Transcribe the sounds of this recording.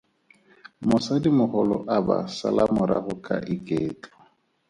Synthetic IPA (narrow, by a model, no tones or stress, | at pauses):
mʊsadimʊχɔlɔʔabasa̰lamʊɾa̰χʊkʼaʔɪkʼeːt͡ɬʼɔ